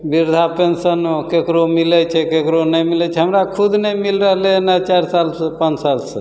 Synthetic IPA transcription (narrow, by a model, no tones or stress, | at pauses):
biɾd̪ʱapensənkekɾomilɛt͡ʃʰɛkekɾonəjmilɛt͡ʃʰɛɦəmɾakʰud̪ʱnɛjmilɾəɦlenat͡ʃaɾsalsəpand͡ʒsalse